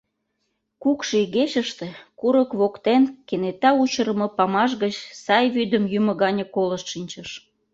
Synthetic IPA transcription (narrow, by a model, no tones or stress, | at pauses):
kukʃiiɣeɕəʃt̪ekuɾəkβokt̪enkenet̪ɑut͡ɕəɾə̆mɤpɑmɑʃ̬ɣət͡ɕsɑjβyd̪əmjymə̆ɡɣɑnʲə̆koləʃʃinʲt͡ɕəʃ